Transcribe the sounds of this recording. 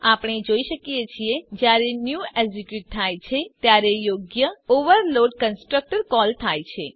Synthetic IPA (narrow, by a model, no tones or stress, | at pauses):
apɳ̃ed͡ʒoiʃəkijet͡ʃʰied͡ʒjaɾenjueɡd͡ʒikjuʈt̪ʰːajt͡ʃʰet̪jaɾejoɡjəoʋəɾloɖkənsʈɾək̚ʈəɾkɔlt̪ʰajt͡ʃʰḛ